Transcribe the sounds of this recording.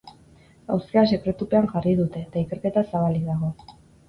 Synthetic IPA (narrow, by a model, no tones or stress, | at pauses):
a̰wskeas̬e̞kɾe̞t̪upe̞aŋʝariðut̪e̞t̪aike̞ɾke̞t̪asaβ̞alik̚d̪aɣ̞o̞